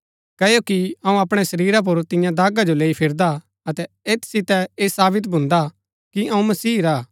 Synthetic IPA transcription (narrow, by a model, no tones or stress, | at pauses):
kɐːjokiɐũɐpɽ̃ɛsɐɾiːɾap̬ʊɾt̪ɪ̃jãd̪aːɡad͡ʒoleːipʰɪɾd̪a | ɐt̪ɛ | eːt̪ʰsɪt̪ɛeːsaːbɪt̪̬bʱʊ̃nd̪a | kiʔɐũmɐsiːɾaː